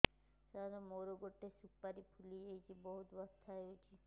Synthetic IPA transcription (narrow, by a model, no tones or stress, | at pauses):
sad̪omoɾoɡoʈːesupːaɾipʰuliejt͡ʃibɔɦut̪bɔst̪ʰːaeot͡ʃʰi